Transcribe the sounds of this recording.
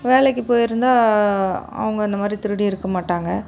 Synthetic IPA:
ʋeːlɛk̬ːɯpːoːjɪɾɯnd̪aː | ɐ̰ʋɐŋɡɐɪnd̪ɐmaːd̪ɾit̪ɪɾɯɽiɪɾɯkːɐmaːʈːaːŋɡɐ

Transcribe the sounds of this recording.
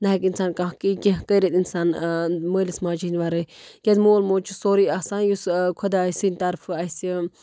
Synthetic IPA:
naɦkinsaːnkãkikʲeɦkəjɾet̪insaːnməːlismãːd͡ʒinʲʋaɾəkʲad̪moːlmoːt͡ʃʰusoːɾiaːsaːnjuskʰod̪asinʲt̪ɐɾfɐjsi

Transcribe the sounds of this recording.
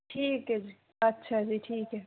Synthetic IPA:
ʈʰiːkɦɛd͡ʒiː | ɐtːʃʰad͡ʒiːʈʰiːkɦɛ

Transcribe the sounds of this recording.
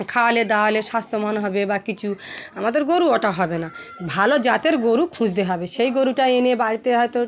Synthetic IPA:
kʰawled̪awleʃast̪ʰomanɦɔbebakit͡ɕʰuamad̪eɾɡoɾuɔʈaɦɔbenabʱalod͡ʑat̪eɾɡoɾukʰũd͡ʑd̪eɦɔbeʃejɡoɾuʈaenebaɽit̪eɦɔjt̪o

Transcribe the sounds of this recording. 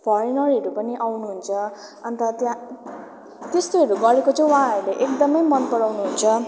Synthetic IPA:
pʰʌɾenʌɾiʌɾupʌniʔawnuɦunt͡sʰʌ | ʌnt̪ʌt̪jã | t̪est̪oɦʌɾuɡʌɾekot͡sʌ̃waɦãʌɾuleʔekd̪ʌmʌjmʌnpʌɽawnuɦunt͡sʰʌ

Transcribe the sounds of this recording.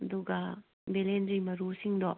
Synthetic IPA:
ɐd̪uɡɐ | belendɾimɐɾusiŋdɔ

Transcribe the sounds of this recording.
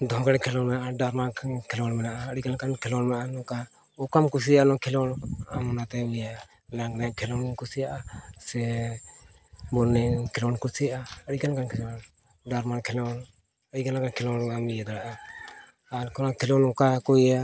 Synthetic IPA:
d̪ɔɦɔ̃kaɽɛkʰɛlɔnmɛnaʔaɖaɾmakʰɛlɔɽmɛnaʔaəɽikankankʰɛlɔnmʔanɔka | ɔkamkus̬ijaanɔkʰɛlɔnamɔnat̪ɛbija | laŋnɛkʰɛlɔnkusijaʔasɛ | bɔnːɛkʰɛlɔnkusijaʔaəɽikankankʰɛlɔn | ɖaɾmankʰɛlɔn | əɽikanakankʰlɔnamijad̪aɽaʔa | aɾkɔnakʰɛlɔnɔkakoia

